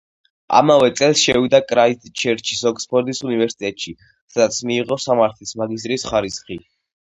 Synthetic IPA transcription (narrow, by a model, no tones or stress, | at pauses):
a̰mavɛt̪sʼɛlˠsʃɛvid̪akʼɾaid̪t͡ʃʰɛɾt͡ʃʰisɔkʼspʰɔɾd̪isunivɛɾsi̥t̪ʼɛt̪ʼʃi | sad̪at̪sʰmiːʁɔsamaɾt̪ʰlismaɡis̬t̪ʼɾisχaɾisχi